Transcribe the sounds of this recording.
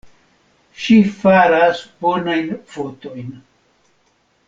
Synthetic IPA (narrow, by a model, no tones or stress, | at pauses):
ʃifaɾasbonajnfot̪ojn